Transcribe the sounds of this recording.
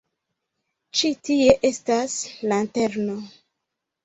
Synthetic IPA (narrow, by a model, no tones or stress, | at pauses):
t͡ʃitie̞ʔe̞staslante̞ɾno